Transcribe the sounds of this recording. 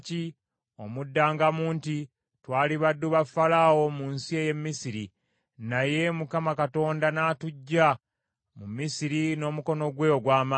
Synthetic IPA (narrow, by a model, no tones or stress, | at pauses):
ci | o̞mudːaːŋɡamuːnti | twaːliβadːuβafalaːwo̞muːnsie̞ːje̞mːisiɾi | naje̞mukamakato̞ːndanaːtuɟːa | mumisiɾino̞ːmuko̞no̞ɡwe̞ːoɡwaːma